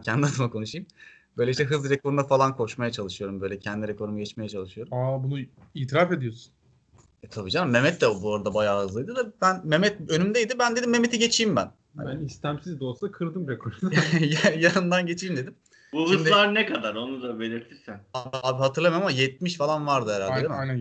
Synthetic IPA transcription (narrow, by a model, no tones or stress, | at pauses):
ncʰɛænd̪iad̪ɯmakʰo̞nuʃɯjm | bø̞jlʲeiʃt̪ɛɦɯzlˠɾekʰo̞ɾumd̪afalˠankʰo̞ʃmajat͡ʃʰalˠɯʃɯjo̞ɾumbøjlʲɛcʰænd̪iɾɛkʰo̞ɾumuɟɛt͡ʃme̞jɛt͡ʃʰalˠɯʃɯjo̞ɾumabunu | iːt̪ʰiɾafe̞d̪ijo̞su̥n | ɛt̪ʰabid͡ʒaɾmːe̞mɛt̪ːd̪ɛbuoɾad̪abajaːɦɯzlˠɯjd̪ɯd̪abænmemɛt̪̚ønymd̪ejd̪ɪbænd̪ed̪imːe̞me̞t̪ʰiɟe̞t͡ʃʰiːmbæn | ha̰bænist̪ʰæmsizd̪olˠsakʰɯɾd̪ɯmɾɛkʰoɾjjanɯnd̪anɟet͡ʃʰiːmd̪e̞d̪im | bulʃˠimd̪lˠaɾnɛkad̪aɾo̞nud̪abe̞lʲiɾt̪ʰiɾsænaaːbiɦat̪ʰɯɾlˠamajmamajɛt̪̚miʃfalˠanvaɾd̪ɯɛɾalʲeijnæ